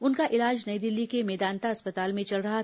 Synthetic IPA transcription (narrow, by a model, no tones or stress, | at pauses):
ʊnkaʔɪlaːd͡ʒnɐjd̪ɪlːikemɛːd̪aːnt̪aɐspɐt̪aːlmẽt͡ʃɐlɾɐɦa